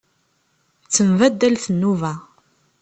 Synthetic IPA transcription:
t͡sːəmvæd̪ːælθənːuvæ

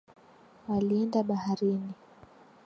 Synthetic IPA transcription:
waliɛndaɓahaɾini

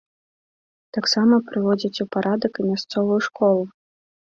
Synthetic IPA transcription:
t̪aksamɐpɾɨvɔd͡zʲɐt͡sʲwpaɾʔad̪ɐkɨmʲast̪sɔvujuʂkɔlˠu

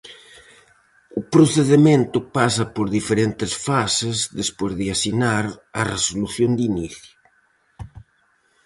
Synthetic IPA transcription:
upɾoθeðemẽnt̪ʊpasɐpoɾðifeɾent̪esfasezðespozðeasinaɾɐresoluθjond̪iniθju

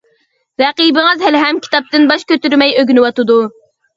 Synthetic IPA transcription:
ɾɛqibɪŋɨzɦælɦɛmkʲʰi̥t̪ɑp̚t̪ɪnbɑʃkʲøt̪yɾmɛjøɡʲnɪwɑt̪ɨd̪u

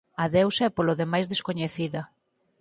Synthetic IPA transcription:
ɐðewsɛpoloðemajzðeskoɲeθiðɐ

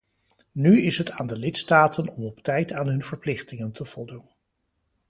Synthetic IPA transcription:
nyɪsɦətaːndəlɪtstaːtʰənɔmɔptɛjtaːnɦɵnvəɹplɪχtɪŋəntʰəv̥ɔlˠdun

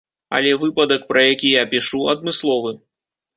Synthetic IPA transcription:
ɐ̰lʲɛvɨpɐd̪ɐk̚pɾɐjakʲijapʲiʂuɐd̪̚mɨslˠɔvɨ

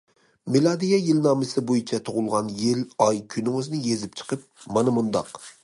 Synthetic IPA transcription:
mɪlˠɑd̪ijɑjɪlnɑmɪsɪbojɪt͡ʃʰɛt̪ʰʊʁʊlˠʁɑnjɪlɑjkʲʰynɪŋøznɪjezɪp̚t͡ʃʰɨ̥qəp̚mɑnɨmʊnd̪ɑ̰q

